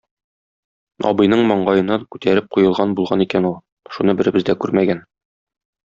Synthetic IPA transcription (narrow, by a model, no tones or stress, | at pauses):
ɒ̰bɤ̆jnɤɴmɒɴɢɑjɤ̆nɑkʉt̪æɾɘp̚qujɤ̆lˠʁɑnbulˠʁɑnikænulˠ | ʃunɤbɘ̆ɾɘ̆bɘ̆zd̪ækʉɾmæɡæn